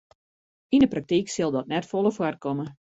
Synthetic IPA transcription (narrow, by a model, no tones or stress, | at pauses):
indəprak̚tiksɪlˠdɔtnɛtfɔlˠəfwarkɔmə